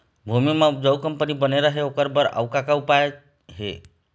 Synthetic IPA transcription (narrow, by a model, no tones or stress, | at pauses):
bʱumimãd͡ʒəwkəmpənibəneɾaɦeokəɾbəɾə̰ʋkakaupaj | ɦḛ